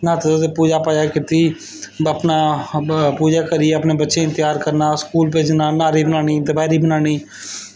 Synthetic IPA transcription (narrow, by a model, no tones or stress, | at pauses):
nãːt̪epuːd͡ʒaːpaːd͡ʒaːkɪt̪iː | əpnaːpuːd͡ʒaːkəɾiːəpneːbətːʃẽɪ̃nt̪ɪjaːɾkəɾnaːskuːlp̬eːd͡ʒnaːnaːɾiːbənaːñiːnt̪ɪbaːɾiːbənaːñiː